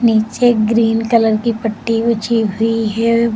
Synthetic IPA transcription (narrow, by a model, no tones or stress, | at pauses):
niːt͡ʃeɡɾiːnkɐləɾkipɐʈːiʋʊt͡ʃʰiɦʊiɦɛ